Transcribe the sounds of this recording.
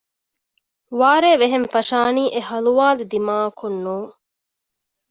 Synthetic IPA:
ʋaːɾeːʋeɦenfɐʃaːniːʔehɐluʋaːlud̪imaːɐkʰunːuː

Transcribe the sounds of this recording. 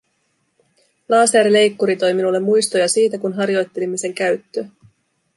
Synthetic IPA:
lɑːseːɾle̞jkːuɾit̪o̞jminulːe̞mːujst̪o̞jɑsiːt̪ækunɦɑɾjo̞jt̪ːe̞limːise̞ŋkæɥt̪ːø

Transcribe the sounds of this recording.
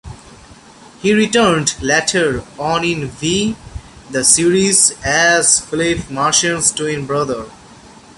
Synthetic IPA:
hiːɾiʈəɾnɖleʈʰəɾɔ̃nɪ̃nʋi | d̪əsiɾizæzflefmaːɾʃə̃nzʈuɪ̃nbɾʌd̪əɾ

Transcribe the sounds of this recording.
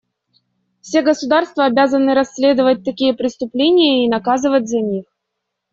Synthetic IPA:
fsʲeɡəsʊd̪arst̪vəːbʲazənɨɾɐsʲːlʲe̞d̪əvət̚ʲt̪ɐkʲijəpɾʲɪst̪ʊplʲenʲɪjəinɐkazɨvət̚ʲzɐnʲix

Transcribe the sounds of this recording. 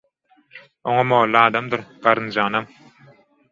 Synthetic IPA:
oŋomoːlˠːɯɑːd̪amd̪ɯɾɢ̥ɑɾɯnd͡ʒɑːnam

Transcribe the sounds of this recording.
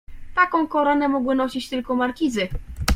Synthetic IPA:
t̪akɔ̃w̃kɔɾanɛmɔɡwɘnɔɕit͡ɕt̪ɘlkɔmaɾkʲizɘ

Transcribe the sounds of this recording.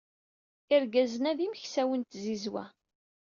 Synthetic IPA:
iɾɡæzənæðiməçsæwənt̪zizwæ̰

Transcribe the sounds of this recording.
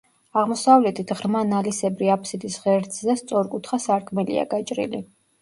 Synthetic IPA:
aʁmɔsavlɛt̪ʰit̪ʰʁɾmanalisɛbɾiapʰsid̪isʁɛɾd̪szɛst̪sʼɔɾkʼut̪ʰχasaɾkʰmɛlḭa̰ɡat͡ʃʼɾḭlḭ

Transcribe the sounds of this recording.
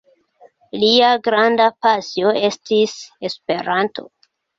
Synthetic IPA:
liaɡɾandapasjoe̞stise̞spe̞ɾantʰo̞̰

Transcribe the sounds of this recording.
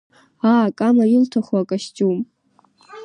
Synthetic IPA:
akʼamajɪltʰaχwakʼaʃt͡ʃʼum

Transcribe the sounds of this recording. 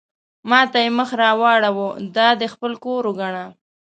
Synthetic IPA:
mɑt̪ajeməxɾɑwɑɽawod̪ɑd̪əxpəlkoɾoɡaɳa

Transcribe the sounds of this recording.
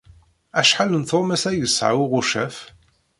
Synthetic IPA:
æʃħalənθomæsæjəsːʕa̰wʊʁʊʃæf

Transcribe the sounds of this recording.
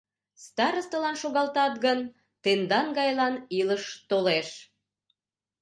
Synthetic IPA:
st̪ɑɾəst̪əlɑnʃoɣɑlt̪ɑt̪ɣən | t̪end̪ɑnɡɑjlɑniləʃt̪oleʃ

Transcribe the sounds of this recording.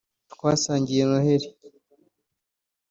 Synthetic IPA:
tkwaːsaːɲɟijenoheɾi

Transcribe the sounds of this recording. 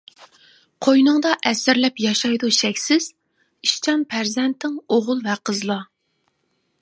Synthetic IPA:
qʰojnɨŋd̪ɑʔɛsɪɾlɛpjɑʃɑjd̪uʃɛkʲsɪz̥ | iʃt͡ʃʰɑmpʰæɾzɛnt̪ʰːɪŋoʁʊlˠvɛqʰəzlˠɑ

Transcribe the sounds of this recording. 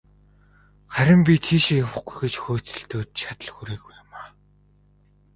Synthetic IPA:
χæɾʲɪ̆mpʲit̪ʰiːʃejawə̆χɡujɡet͡ɕxoːt͡sɘ̆ɬt̪oːt̪t͡ɕʰat̪ə̆ɮxuɾeːɣujʊmaː

